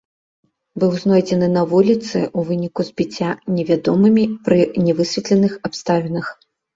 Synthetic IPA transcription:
bɨwznɔjd͡zʲɛnɨnɐvulʲit̪sɨ̰ʔuvɨnʲikuzbʲit͡sʲːanʲɛvʲad̪ɔmɨmʲipɾɨnʲɛvɨsʲvʲɛt̪lʲɛnɨxapst̪avʲɛnɐx

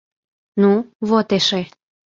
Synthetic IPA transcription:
nuβot̪eʃe

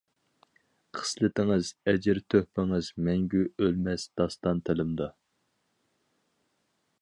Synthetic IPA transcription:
qʰə̥slɪt̪ɪŋɨzɛd͡ʒɪɾt̪ʰøhpɪŋɨzmɛŋɡʲyølmɛsd̪̥ɑst̪ɑnt̪ʰɪlɪmd̪ɑ

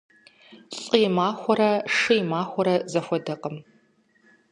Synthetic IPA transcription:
ɬʼiːmaːxʷɔɾɐʂɨjmaːxʷɔɾɐzɐxʷɔdɐqəm

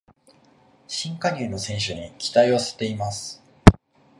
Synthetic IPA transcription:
ɕĩŋkaɲʲɯːnosẽ̞ɰ̃ɕɨɲ̟ikʲi̥t̪aiβase̞̥t̪e̞imasɨ̥

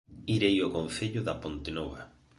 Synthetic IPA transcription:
iɾejokõn̟θeʎʊðapont̪enoβa

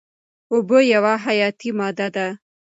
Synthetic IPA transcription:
ʊbəjawaɦajɑt̪imɑd̪ad̪a

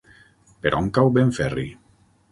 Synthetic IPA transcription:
peɾʔɔŋkawbeɱfɛrḭ

